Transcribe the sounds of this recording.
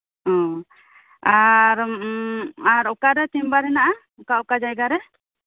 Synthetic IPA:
ɔ̃ | aɾ | aɾɔkaɾɛt̪imbaɾɛnaʔa | ɔkaɔkad͡ʒajɡaɾɛ

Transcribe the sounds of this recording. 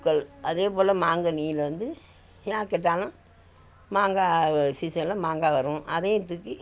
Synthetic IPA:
kːɐlɐðeːpoːlɐmaːŋɡɐniːlʋɐnd̪ɯ | jaːɾkɛʈːaːlã | maːŋɡaːsisɐlɐmaːŋɡaːʋɐɾʊ̃ʔɐðeːt̪ːɯkːi

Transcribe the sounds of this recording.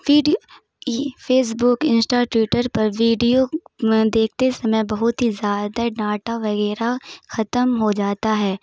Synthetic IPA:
ʋiːɖi | pʰeːs̬bʊkɪ̃nsʈaʈɪʈəɾpɐɾʋiːɖijod̪eːkʰt̪esɐməjbɐɦʊt̪ɦizjaːd̪anaːʈaʋɐɣɛːɾaxɐt̪əmɦod͡ʒaːt̪aɦɛː

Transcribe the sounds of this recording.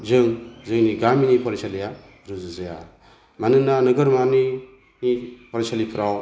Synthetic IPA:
zɯŋzɯŋniɡaminipʰɔɾisalija | ɾuzɯzaja̰ | manɯnːanɯɡɯɾmani | nipʰɔɾasalipʰɾaw

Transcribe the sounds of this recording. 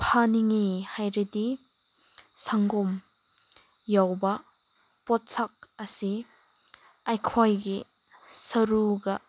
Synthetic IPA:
pʰaniŋihajɾidi | saŋɡɔm | jawbɐ | pɔt̚sak̚ɐsi | ɐjkʰɔjɡi | sɐɾuɡɐ

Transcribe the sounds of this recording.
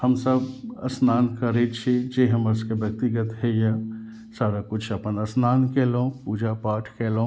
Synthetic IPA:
həmsəbɐ̰snaːnkəɾet͡ʃʰed͡ʒeɦəməskebjək̚t̪iɡət̪ɦɛja | saːɾakʊt͡ʃʰəpənɐsnaːnkelõpuːd͡ʒapaːʈʰkeːlõ

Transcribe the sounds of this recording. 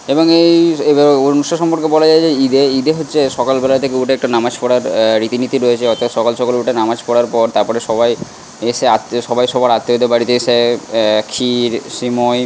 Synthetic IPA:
eboŋejeonuʃoʃɔmpoɾkebɔlad͡ʑaed͡ʑeid̪eid̪eɦotːɕʰeʃɔkalbɛlat̪ʰekeuʈeɛk̚ʈanamad͡ʑpɔɽaɾɾit̪init̪iɾoet͡ɕʰeɔɾt̪at̪ʃɔkalʃɔkaleuʈenamad͡ʑpɔɽaɾpɔɾt̪aɾpɔɾeʃɔbaj | eʃeat̪ʃɔbajʃɔbaɾat̪ːeod̪ebaɽit̪eesekʰiɾʃimɔj

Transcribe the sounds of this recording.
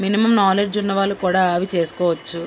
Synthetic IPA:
minimɐmnaːled͡ʒunːɐʋaːlːukuːɽaːɐʋit͡ʃe̞ːsu̥kɔːʋɐt͡ʃːu

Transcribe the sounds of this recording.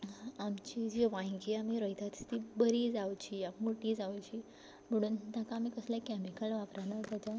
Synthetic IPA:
amt͡ɕid͡ʑiʋãjkiamiɾəjt̪ʰat̪st̪ibəɾiːd͡zawt͡ɕijamoʈid͡zawt͡ɕi | məɽ̃uːnt̪jakaːmikəsljakɛmikəlʋakɾanat̪ad͡ʑa

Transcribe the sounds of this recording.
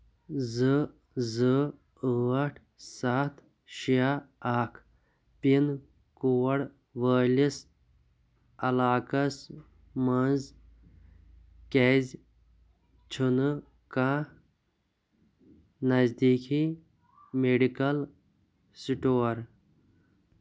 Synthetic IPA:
zɨ | zɨ | əɐʈʰ | sat̪ʰ | ʃijaaːkʰ | pin | kuwɐɽ | ʋəːlis | ɐlaːkɐs | mɐnz | kez | t͡ʃʰunɨ | kãː | nɐzd̪iːki | meɖikɐl | siʈoːɾ

